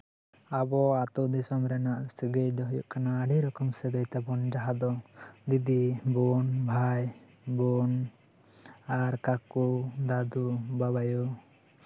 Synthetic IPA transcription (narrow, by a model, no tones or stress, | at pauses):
abɔat̪ɔd̪isɔmɾɛnaʔsiɡejd̪ɔɦɔjuʔkanaːɖiɾɔkɔmsɛɡ̪əjt̪apɔnd͡ʒaɦad̪ɔd̪id̪ibɔnbʱaj | buɔn | aɾkakud̪ad̪ubaβajɔ